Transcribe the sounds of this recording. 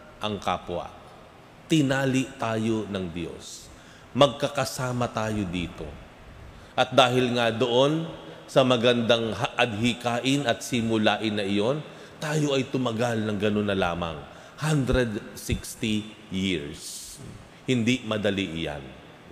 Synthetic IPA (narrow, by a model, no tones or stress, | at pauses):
ʔɐŋka̰ːpwɐ̰ | t̪ɪnaːlɪʔt̪aːjo̞nɐŋd̪jo̞̰s | mɐɡ̚kɐkɐsaːmɐt̪aːjo̞d̪iːt̪o̞̰ | ʔɐt̪̚d̪aːɦɪlŋad̪o̞ʔo̞nsɐmɐɡɐnd̪aŋɦʔɐd̪̚ɦɪkaːʔɪnɐt̪̚sɪmʊlaːʔɪnːɐʔɪjo̞n | t̪aːjo̞ʔɐjt̪ʊmɐɡalnɐŋɡɐno̞nːɐla̰ːmɐ̰ŋ | hand̪ɾɛd̪sɪkst̪i | jiɹs | hɪnd̪imɐd̪ɐliʔɪja̰n